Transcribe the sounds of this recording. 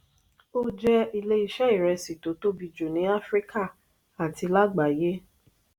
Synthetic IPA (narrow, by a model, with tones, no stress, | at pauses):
o˦d͡ʒɛ˧i˧le˦i˧ʃɛ˦i˦˨ɾɛ˧si˨to˨˦to˦bi˧d͡ʒu˨nĩ˨˦a˦fɾi˦ka˦˨ | a˨ti˧la˦ɡ͡ba˨je˦